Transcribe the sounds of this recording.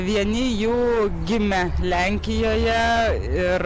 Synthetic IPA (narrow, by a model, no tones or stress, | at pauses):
ʋʲiɛnʲɪjuːɡʲɪmʲɛlʲæˑŋʲkʲɪjoːjɛɪr